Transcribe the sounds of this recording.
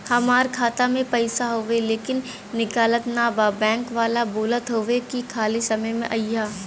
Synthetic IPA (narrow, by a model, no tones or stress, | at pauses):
hɐmaːɾkʰaːt̪amẽpɐɪsaɦoːʋeleːkɪnː | ɪkaːlət̪naːbaːbɛ̃ːŋkʋaːlaboːlət̪ɦoːʋekikʰaːlisɐməjmḛ̃ʔɐjaː